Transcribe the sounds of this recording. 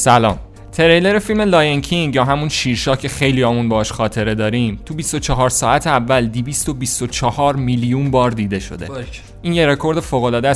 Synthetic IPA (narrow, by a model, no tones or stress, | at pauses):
sælɒːm | t̪ʰe̞ɾejle̞ɾefilmelɒːjencʰiŋɡjɒːɦæmunʃiːɾʃɒːhcʰe̞xe̞jlijɒːmunbɒhɒːʃχɒːt̪ʰe̞ɾe̞d̪ɒːɾiːmt̪ʰubist̪o̞t͡ʃʰɒɦɒːɾsɒːæt̪ʰeævːæld̪ivist̪o̞bist̪ot͡ʃʰɒhɒːɾmiːljunbɒːɾd̪iːd̪e̞ʃo̞̰d̪e̞̰ | ʔiːnje̞ɾe̞kʰo̞ɾd̪e̞foːɣolɒːd̪æ